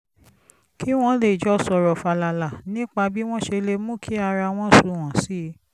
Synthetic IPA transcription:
ki˦w̃ɔ̃˦le˦˨d͡ʒɔ˦sɔ˨˧ɾɔ˨fa˧la˧˨la˨nĩ˦k͡pa˧bi˦w̃ɔ̃˦ʃe˧le˧mũ˦kʰi˨˦a˧ɾa˧w̃ɔ̃˦su˨˧˦w̃ɔ̃˨si˨˦

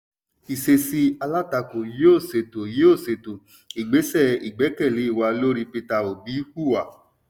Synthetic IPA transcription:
i˨se˧si˧a˧la˦˨ta˧ko˨je˦o˦˨se˨to˨je˨˦o˦˨se˨to˨ | i˨ɡ͡be˨˦sɛ˦˨i˨ɡ͡bɛ˨˦kɛ˦˨le˨˦i˦˨wa˧lo˦ɾi˧pe˧ta˧o˨bi˨˦ku˦˨wa˨

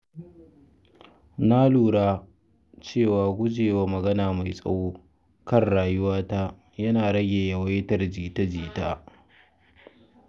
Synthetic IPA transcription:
na˦luː˨ɽaː˦ | t͡ʃeː˦˨waː˨ɡʷʊ˦d͡ʒeː˨waː˦mɐ˨ɡɐ˦naː˨ma˨jsʼɐ̰˦woː˦ | kɐ˦˨rɽaː˨jʊ˦waː˦ta˦ | jɐ˦naː˨ɽɐ˦ɡʲeː˨jɐ˨wa˦jtɐ˦rd͡ʒiː˨tɐ˦d͡ʒiː˨taː˦

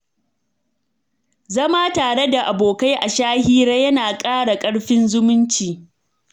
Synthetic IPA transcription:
zɐ˦maː˦taː˨ɽe˦da˨ʔa˨boː˨ka˦jʔa˨ʃaː˦hiː˦ɽa˦jɐ˦naː˨kʼaː˦ɽa˨kʼɐ˦ɽɸɪ˦nzʊ˦mʊ˦nt͡ʃiː˨

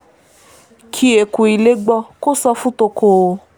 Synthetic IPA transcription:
kʰi˧e˨ku˨i˨le˦ɡ͡bɔ˧ko˦sɔ˧fũ˦to˧kʰo˨o˧

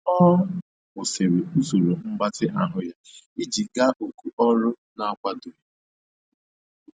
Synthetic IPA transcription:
ɔ˦ | ʊ˨se˨ɾe˨u˦zu˨ɾu˨m̩˦ɡ͡ba˦tɪ˦ʔa˨ɦʊ˦ja˦i˦d͡ʒi˨ɡa˦ʔo˨ku˨ʔɔ˦ɾʊ˦ | na˨˦kʷa˦dʊ˨ɾɪ˨

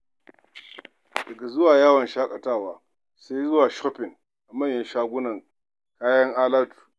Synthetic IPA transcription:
d̥ɐ˨ɡa˨zʊ˦waː˨jaː˦wɐ˨nʃaː˦kʼa˨taː˦˨waː˨˦ | se˦jzʊ˦waː˨ʃɔ˦pɪ˨ŋ | ʔa˨mɐ˦ɲja˨ʃaː˦ɡʷʊ˦nɐ˨ŋ | kaː˦jɐ˦ŋʔaː˦laː˦tu̥ː˨

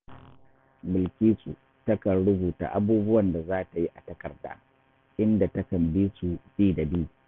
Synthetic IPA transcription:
mɪ˨lkʲiː˦sʼṵ˨ | tɐ˦kɐ˨nɽʊ˦buː˨ta̰ː˦ʔa˦buː˦bʊ˦wɐ˨nda˨zaː˦ta˨ji˦ʔa˨tɐ˦kɐ˨rda̰ː˦ | ʔɪ˦nda˨tɐ˦kɐ˨mbiː˦su˨biː˦da˨bɪ˦u˨

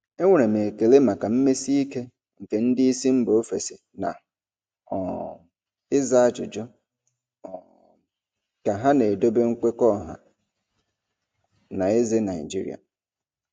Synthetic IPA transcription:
e˦ŋʷe˨ɾe˨me˨ke˨le˦ma˨ka˨m̩˦me˦si˦i˦ke˦ | ŋ̩˨ke˨n̩˦dɪ˦i˦si˦m̩˦bo˨o˦fe˨se˨ | na̰˨ | ɔ˨ | ɪ˦za˦a˦d͡ʒʊ̰˨d͡ʒʊ˦˨ | ka˨ɦa˦ne˨do˦be˦ŋ̩˦kʷe˦kɔ˦˨ɦa̰˨ | na˨e˦ze˦na˨ɪ̰˨d͡ʒḭ˦ɾḭ˨a̰˨

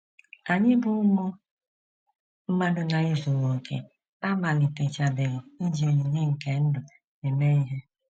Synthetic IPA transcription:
a˨ɲɪ˦bʊ˦ʊ˦mo˦ | m̩˦ma˦dʊ˦na˨ɪ˦zu˨ŋo˨kʰḛ˨ | a˦ma˨lɪ˨te˨t͡ʃa˨be˨ɣɪ˨i˦d͡ʒi˨o˨ɲe˨ɲe˦ŋ̩˨ke˨n̩˦dʊ˨ | ne˨me˦i˦ɦe˦

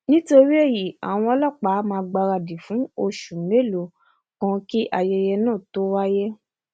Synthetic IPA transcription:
nĩ˦to˧ɾi˦e˦˨ji˨a̰˨w̃ɔ̃˧ɔ˧lɔ˦˨k͡pa˨˦mãː˧ɡ͡ba˧ɾa˧di˨fũ˨˦o˧ʃu˨˦e˦˨lo˨ | kã˧ki˦ʔa˧jɛ˧jɛ˧nãː˦˨to˦wa˦jɛ˦

